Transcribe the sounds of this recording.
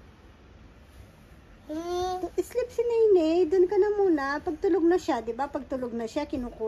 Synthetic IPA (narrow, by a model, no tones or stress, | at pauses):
ʊʔɪslɪp̚sɪnɛjnɛjd̪ʊnkɐnɐmuːnɐpɐɡ̚t̪ʊloɡ̚nɐʃad̪ɪbapɐɡ̚t̪ʊloɡ̚nɐʃakɪnuːku